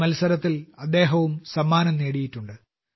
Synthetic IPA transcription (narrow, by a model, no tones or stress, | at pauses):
mɐlsɐɾɐt̪ːilɐd̪ːe̞ːɦɐʋumsɐmːaːnɐmneːɽijitːuɳɖɨ